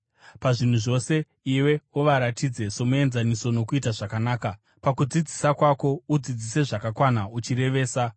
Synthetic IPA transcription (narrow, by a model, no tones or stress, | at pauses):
paʐin̤uʐo̞se̞ | iwe̞uʋaɾatid͡ze̞so̞mue̞nzaniso̞no̞kuitaʐakanaːka | pakud͡zid͡zisakwako̞ud͡zid͡zise̞ʐakakwanaut͡ʃiɾe̞ʋe̞ːsa